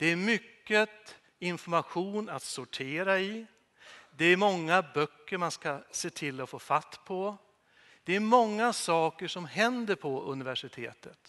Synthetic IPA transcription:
d̪̥ɛæɾmʏkːət̪ | ɪnfɔɾmaɧuːnat̪sʊʈʰeːɾaɪ | d̪ɛæɾmɔŋːabœkːəɾmanskaseːt̪ʰɪlːɔfoːfat̪ːpʰɔ | d̪̥ɛæɾmɔŋːasɑːkəʂɔmhɛnd̪əɾpʰɔɵ̰nɪvæʂɪt̪ʰḛːt̪ʰət̪

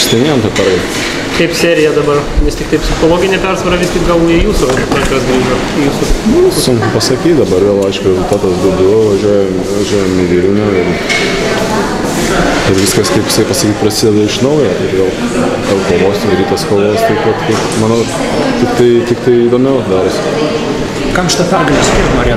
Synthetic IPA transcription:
sʲt̪ʲɛɪnʲeːjoːmt̪ɐpʲɛɾɡɐ | kɐɪpsʲæːɾʲɪjɛd̪ɐbɐrmʲɪst̪ʲɪkt̪ɐɪpʲsʲɪxoːlˠoːɡʲɪnʲepʲɛrsʋɐɾɐʋʲɪst̪ʲɪkɡɐlˠɪjuːsʊnɐʒɐsɡɾʲiːʒoː | juːsʊmoʋʲɪsʊsʊŋkɐpɐsɐkʲiːt̪d̪ɐbɐɾʋʲeːlˠɐɪʃkʊɾʲɛzʊlˠt̪ɑːt̪ɐsd̪oʊɡʲʊʋɐʒʲuɔjɛm | ʋɐʒʲuɔjɛːmɪʋʲiːlʲnʲoːɪr | ɪɾʋʲɪskɐskɐɪpjɪsɐɪpɐsɐkʲiːt̪̚ʲpɾɐsʲɪd̪ʲɛd̪ɐɪʃnɐʊjoɪrʋʲeːlˠ | ɡɐlˠkoːʋoːsɪɾɾʲiːt̪ɐskoːlˠʋoːjst̪ɐɪpʋɐt̪kɐɪ | mɑːnɐ | t̪ʲɪkt̪ɐɪt̪ʲɪkt̪ɐɪid̪oːmʲɛʊd̪ɑːɾs | kɐmʃʲɪt̪ɐpʲɑɡʲɪnʲskʲimoɾʲeː

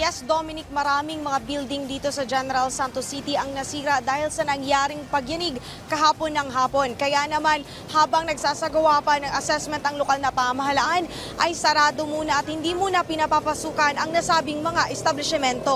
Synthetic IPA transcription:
jɛsd̪omɪnɪk̚mɐɾaːmɪŋmɐŋabild̪ɪŋd̪iːt̪o̞sɐd͡ʒɛnɛɾɐlsant̪osit̪iʔɐŋnɐsiːɾɐd̪aːhɪlsɐnɐŋjaːɾɪŋpɐɡjɐnɪɡ̚ | kɐɦaːpo̞nːɐŋɦaːpo̞nkɐjanɐman | haːbɐŋnɐɡsaːsɐɡɐwapɐnɐŋɐsɛsmɛnt̪ɐŋlokalnɐpɐɐmɐɦɐlaʔan | ʔɐjsɐɾaːd̪o̞muːnɐɐt̪̚hɪnd̪iːmuːnɐpɪnɐpapɐsuːkɐnɐŋnɐsaːbɪŋmɐŋaʔɛst̪ɐblɛsɛmɛnt̪o̞

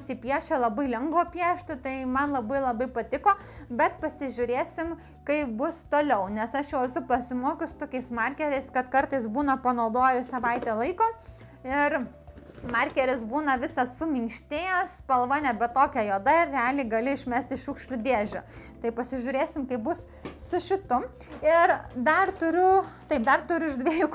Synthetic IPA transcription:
sʲipʲiɛʃʲt͡ʃʲɛlˠɐbɐɪlʲɛŋɡʋoːpʲiɛʃʲt̪ʲɪt̪ɐɪmɐnlˠɐbɐɪlˠɐbɐɪpɐt̪ʲɪkoː | bʲɛt̪pɐsʲɪʒʲʊɾʲeːsʲɪm | kɐɪpbʊst̪oːlʲɛʊnʲɛsɐʃjɛʊsʊpɐsʲɪmoːkʲʊsʊ̥t̪oːkʲɛɪsmɐrʲkʲɛɾʲɛɪskɐt̪kɐrt̪ɐɪsbuːnɐpɐnɐʊd̪oːjɪsɐʋɐɪt̪ʲɛlˠɐɪkoː | ɪr | mɐrʲkʲɛɾʲɪsbuːnɐʋʲɪsɐsʊmʲɪŋkʃʲt̪ʲeɛspɐlˠʋɐːnʲɛbʲɛt̪t̪oːkʲɛjoːd̪ɐɪrrʲɛɑːlʲɪɡɐlʲɪɪʃʲmʲæsʲt̪ʲɪʃuːkʃʲlʲʊd̪ʲeːʒʲʊ̰ | t̪ɐɪpɐsʲɪʒʲʊɾʲeːsʲɪmkɐɪpbʊs | sʊʃʲɪt̪ʊm | ɪrd̪ɐrt̪ʊɾʲʊt̪ɐɪp̚d̪ɐrt̪ʊɾʲʊɪʒd̪ʲʋʲiɛjʊk

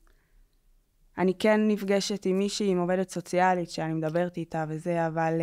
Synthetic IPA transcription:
anike̞nːifɡeʃe̞timːiʃiimo̞ve̞detso̞t͡sialitʃeanimedabe̞ʁtitave̞ze̞aval

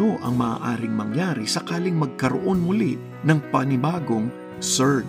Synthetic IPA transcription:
oʔɐŋmɐa̰ːʔaːɾɪŋmɐŋjaːɾisɐkaːlɪŋmɐɡ̚kɐɾo̰ʔo̞nmʊli | nɐŋpɐnɪbaːɡo̞ŋ | sɛ

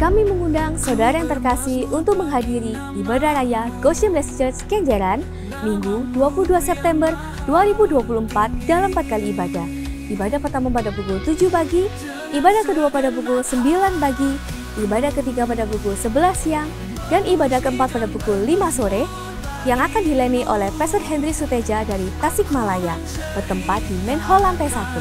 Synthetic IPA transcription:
kamiməŋundaŋsawdaɾajaŋt̪ərkasihunt̪ʊk̚məŋɦadiɾiːbadahɾajaɡosəmlɛsd͡ʒərskɛɲd͡ʒəɾan | miŋɡuduapuluduasɛp̚t̪ɛmbər | duaɾibuduapuluəmpat̪̚d̥alampat̪̚kaliːbadah | ibadapərt̪amanpadapukult̪ud͡ʒupaɡi | ʔibadahkəduapadapukʊlsəmbilanbaɡi | ʔibadakət̪iɡapadapukʊlsəbəlahsiaŋ | danʔibadakəəmpat̪̚padapukʊlːimasoɾɛ | jaŋakandilɛniʔo̰lɛhpɛsət̪̚ɦɛndɾisut̪ɛd͡ʒadaɾit̪asɪk̚malaja | pərt̪əmpat̪̚dimɛnhɔlant̪ajsat̪u

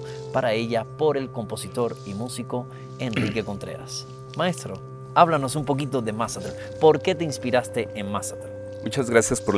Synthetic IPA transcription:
paɾaeʎapoɾe̞lko̞mpo̞sit̪o̞ɾimusiko̞ | e̞nrike̞kõ̞nt̪ɾḛɾa̰s | mae̞st̪ɾo̞ | aβlano̞sumpo̞k̬it̪o̞ðemasat̪ɾel | po̞ɾke̞t̪e̞inspiɾast̪e̞ʔenmasat̪el | mut͡ʃazɣɾasjaspoɾl

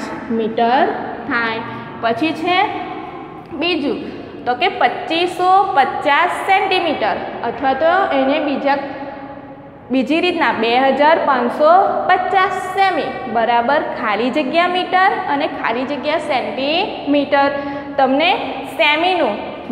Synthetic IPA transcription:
t͡ʃmiʈəɾt̪ʰaj | pət͡ʃʰit͡ʃʰe | bid͡ʒũ | t̪okepətːt͡ʃisːopətːt͡ʃasːɛɳʈimiʈəɾət̪ʰʋat̪oenebid͡ʒa | bid͡ʒiɾit̪nãbeɦəd͡ʒaɾpãnsopətːt͡ʃasːɛmibəɾabəɾkʰalid͡ʒəɡjamiʈəɾənekʰa̰lid͡ʒəɡjasɛɳʈi | miʈəɾ | t̪əmne | sɛminũ

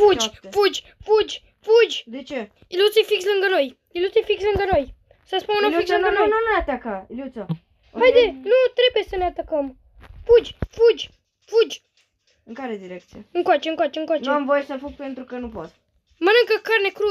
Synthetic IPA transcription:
fud͡ʒfud͡ʒʲfud͡ʒʲ | fud͡ʒʲd̪et͡ʃe | ilut̪sefikslɨŋɡəno̞j | ilut̪sefikslɨŋɡəno̞j | səspuneunoliksɨŋɡənononuneat̪akailjut̪so | hajd̪enut̪ɾe̞bujesəneat̪əkəm | fud͡ʒʲfud͡ʒʲ | fud͡ʒʲ | ɨŋkaɾed̪iɾek̚t̪sijeɨŋkwat͡ʃeɨŋkwat͡ʃeɨŋkwaneuamvojesəfuɡ̚pe̞nt̪ɾukənupot̪ | mənɨŋkəkarne̞kɾu

